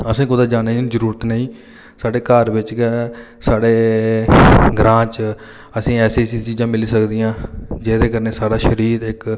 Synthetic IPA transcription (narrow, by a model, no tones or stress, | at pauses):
əsĩːkʊd̪aːd͡ʒaːneːzəɾuːɾət̪nəĩː | saːɖeːkəɾʋɪt͡ʃk | saːɽeː | ɡɾãːt͡ʃ | əsĩːɛːsiːsiːt͡ʃiːd͡ʒãːmɪliːsəkd̪iːãːd͡ʒeːd̪eːkəɾneːsaːɽaːʃəɾiːɾɪk